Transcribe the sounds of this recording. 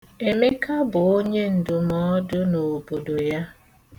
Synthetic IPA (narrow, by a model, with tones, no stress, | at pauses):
e˨me˦ka˦bʊ˨o˦ɲe˦n̩˨dʊ˨mɔ˦dʊ˦no˨bo˨do˨ja˦